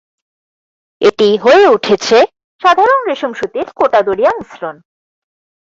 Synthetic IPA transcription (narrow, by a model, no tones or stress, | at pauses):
eʈiɦoeuʈʰet͡ɕʰe | ʃad̪ʱaɾonɾeʃomʃut̪iɾkoʈad̪oɾijamisɾon